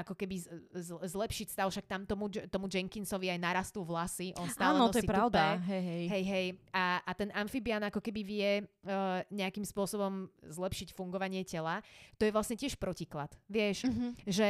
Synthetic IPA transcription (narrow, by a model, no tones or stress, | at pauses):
akɔkɛbizzlɛpʃicst̪aʊfʃak̚t̪amt̪ɔmut̪ɔmud͡ʒɛŋkinsɔʋiajnaɾast̪uvlasiʔɔnst̪anɔɔɔjɛipɾaʊdaɦɛjɦɛjɦɛjɦɛjaat̪ɛnʔaɱfibianakɔkɛbiʋɪɛ | ɲɛakimspʊɔsɔbɔmzlɛpʃicfuŋɡɔʋaɲɪɛcɛlat̪ɔjɛʋlasɲɛcɪɛʃpɾɔciklat̪ʋɪɛʃʒɛ